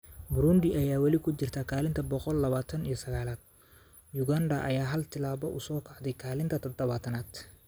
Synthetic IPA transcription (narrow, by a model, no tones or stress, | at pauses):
bɾʊnd̪ɪʔɐjaːwɑlɪkʰʊt͡ʃɪrt̪ʰakʰaːlɪnt̪ʰɐbɔqɔlːɐβaːt̪ʰɐnijɞsɐɣaːlaːd̪̥̚ | jʊɡand̪ɐʔɐ̰jaːɦɐlt̪ʰɪlaːβɔʔʊsɔːkʰaʕd̪ɛjkʰaːlɪnt̪ʰɐt̪ʰɐd̪ɐβaːt̪ʰɐnaːd̪